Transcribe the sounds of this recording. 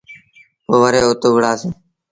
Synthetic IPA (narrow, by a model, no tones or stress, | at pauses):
ɦoːʋəɾeːʊt̪ʊɡɽaːseː